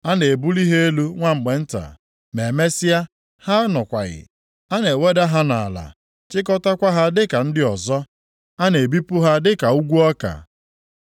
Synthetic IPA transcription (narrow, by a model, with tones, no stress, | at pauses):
a˦ne˨e˨bu˦li˦ɦe˦e˦lu˦ŋʷa˦ŋ͡m̩˨ɡ͡be˨n̩˦ta̰˨ | me˨me˦sɪ˦a˦ | ha˦nɔ˨kʷa̰˨ɣɪ̰˨ | a˦ne˨we˦da˦ɦa˦na̰˨a˨la̰˨ | t͡ʃɪ˦k̬ɔ˦ta˦kʷa˦ɦa˦dɪ˦ka˨n̩˦dɪ˦ɔ˨zɔ˦ | a˦ne˨e˨bi˦pʊ˦ɦa˦dɪ˦ka˨u˦ɡʷu˦ɔ˦ka̰˨